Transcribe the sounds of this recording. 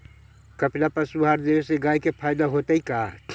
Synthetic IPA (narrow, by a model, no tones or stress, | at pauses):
kəplapəsuɦaɾd̪eeseɡaikepʰajd̪aɦot̪əika